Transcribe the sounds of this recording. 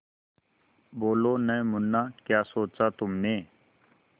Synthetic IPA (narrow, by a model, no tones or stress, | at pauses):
boːloːnəemʊnːaːkjaːsoːt͡ʃaːt̪ʊmneː